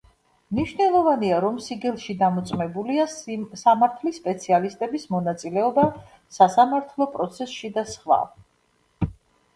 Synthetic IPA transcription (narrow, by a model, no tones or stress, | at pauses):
mniʃvnɛlˠɔvaniaɾɔmsiɡɛlˠʃid̪amɔt̪sʼmɛbuliasamaɾt̪ʰlispʼɛt̪sʰialist̪ʼɛbismɔnat̪sʼilɛɔba | sasamaɾt̪ʰlˠɔpʼɾɔt̪sʰɛsʃid̪asχwa̰